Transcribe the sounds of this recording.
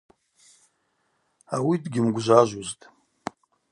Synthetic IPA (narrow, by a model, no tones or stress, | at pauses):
awidɡʲɪmɡʷʒʷaʒʷuztʼ